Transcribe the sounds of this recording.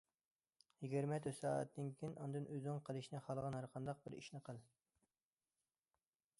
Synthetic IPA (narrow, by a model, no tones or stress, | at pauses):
jiɡʲiɾmɛt̪ʰøsɑːɛ̰t̪̚ːɪnkʲʰinʔɑnd̪ɨnʔøznɪŋqʰəlˠɨʃnɨχɑlˠʁɑnhæɾqʰɑnd̪ɑq̚bɪɾḭʃnɨqəlˠ